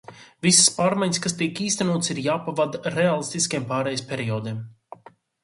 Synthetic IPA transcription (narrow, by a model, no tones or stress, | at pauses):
visspaːɾmajɲs̬kast̪iɛkiːst̪ɛnuːt̪siɾjaːpavad̪ɾɛalˠist̪iskʲejmpaːɾɛjspʲɛɾiɔːd̪im